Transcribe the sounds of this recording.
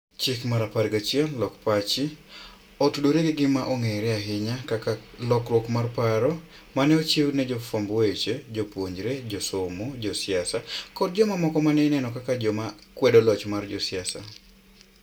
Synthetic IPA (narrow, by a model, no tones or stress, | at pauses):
t͡ʃɪkmaɾapaɾɡat͡ʃjɛlːɔkpat͡ʃɪ | otudoɾeɡɪɡɪmaʔoŋeɾɛaɦɪɲakakalɔkɾwokmarpaɾɔ | manɛot͡ʃɪwnɛd͡ʒofɔmboet͡ʃed͡ʒopwoɲd͡ʒɾed͡ʒosʊmod͡ʒɔsɪasakɔd̚d͡ʒɔmamɔkɔmanɛnɛnɔkakad͡ʒɔmakwɛdolɔt͡ʃmard͡ʒɔsɪasa̰